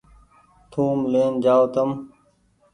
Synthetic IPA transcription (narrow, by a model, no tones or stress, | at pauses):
t̪ʰũːmleːnd͡ʑaːot̪əm